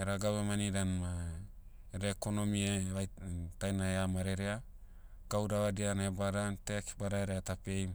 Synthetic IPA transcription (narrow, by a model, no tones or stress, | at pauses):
eɾaɡaβemaniɾanma | eɾekonomieβajtajnaeamaɾeɾea | ɡ̥awdaβadianebaɾanteki̥baɾaeɾeatapejm